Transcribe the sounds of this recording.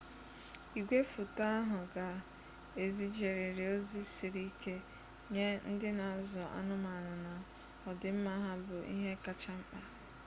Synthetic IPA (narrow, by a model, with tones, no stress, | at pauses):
i˨ɡʷe˦fʊ˨ta˦a˦ɦʊ˨ɡa˨ | e˨zi˦d͡ʒe˨ɾɪ˨ɾɪ˨o˦zi˦si˨ɾi˦ke˦ | ɲe˦n̩˦dɪ˦na˨zʊ˨a̰˦nʊ˦ma˨nʊ˨na˨ | ɔ˨dɪ˨m̩˦ma˦ɦa˦bʊ˨ʔḭ˦ɦe˦ka˨t͡ʃa˦m̩˦k͡pa˦